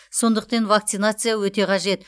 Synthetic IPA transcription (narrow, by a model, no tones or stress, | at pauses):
so̞nd̪əqt̪envakt̪sɨjnat̪sɨjawɵt̪e̞qʰɑʒe̞t̪